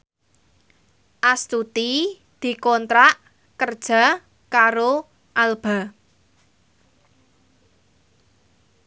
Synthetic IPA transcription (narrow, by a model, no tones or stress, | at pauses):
ʔast̪ut̪i | d̪̥i̤kɔnt̪ɾaʔ | kərd̥ʒ̥a̤ | kaɾo | ʔalb̥a̤